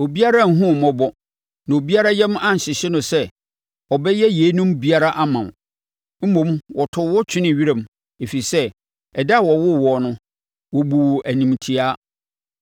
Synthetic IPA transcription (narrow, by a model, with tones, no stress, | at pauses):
o˨bi˦a˦ɾa˦˨ŋ̩˨ɦʊ̃˦˨mɔ̃˦bɔ˦ | nã˨o˨bi˦a˦ɾa˦jɛ˦m˦ã˦n̩˨ɕɪ˨ɕɪ˦nʊ̃˨sɛ˦ | ɔ˨bɛ˦jɛ˦je˨˦nũ˦mbi˦a˦ɾa˦ʔa˦mã˨n˨ | m̩˦mõ˨mwɔ˨tʰʊ˨wɔ˦t͡ɕʰᶣɪ˦nɪ̃˦˨ɥi˦ɾã˨m | e˨fi˨sɛ˦ | ɛ˨da˦˨wɔ˨wʊ˦wɔ˨nʊ̃˦ | wɔ˨bu˨wɔ˨ʔæ˨nĩ˨mtʰi˨aː˦